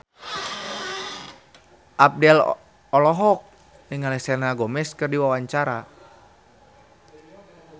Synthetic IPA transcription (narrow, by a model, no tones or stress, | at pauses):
ʔap̚dɛl | ɔlɔɦɔk̚ | nəŋalɛsɛnaɡɔmɛskɨrdiwawaɲt͡ʃaɾa